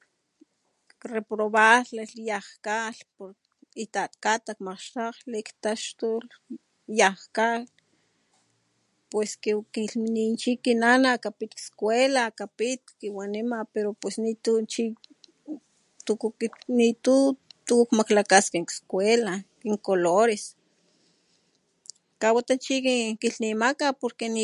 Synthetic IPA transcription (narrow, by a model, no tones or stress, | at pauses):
repɾoβaleljahkalpoɾ | it̪at̪kat̪akmaqʃt̪aqlekt̪aʃt̪ol | jahkal | pweskekilminint͡ʃikinanakapit̪kskwelakapit̪̚kiwanimapeɾopwesnit̪ut͡ʃi | t̪unit̪ut̪ukkmaklakaskekskʷelakiŋkoloɾes | kawat̪ant͡ʃikikiɬnimakapoɾkeni